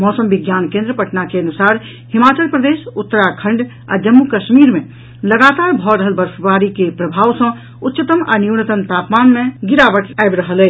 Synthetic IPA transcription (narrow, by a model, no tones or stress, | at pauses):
mɔsəmbiɡjankẽnd̪ɾəpəʈnakeənusaɾ | himat͡ʃəlpɾəd̪esut̪ːəɾakʰə̃ɳɖ | a̰d͡ʒəmːukəʃmiɾme | ləɡat̪aɾbʱɔɾəɦəlbəɾsbaɾikepɾəbʱawsə̃ | utːʃət̪əma̰niuwnət̪əmt̪apmanmeɡiɾabəʈajbɾəɦəlɛ